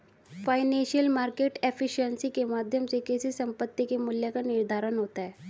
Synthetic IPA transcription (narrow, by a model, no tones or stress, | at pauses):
faɪnẽnʃijəlmaɾkeʈefiʃənsikemad̪ʱjəmsekesisəmpət̪ːikemuljakanɪɾd̪ʱaɾənɦot̪aɦɛ